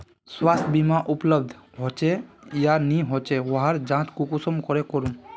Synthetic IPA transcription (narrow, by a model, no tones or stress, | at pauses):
swast̪ʰbimaʔupləb̚d̪ʱɦot͡ʃejaniɦot͡ʃewɔɦaɾd͡ʒãːt͡ʃkukusɔmkɔɾekɔɾum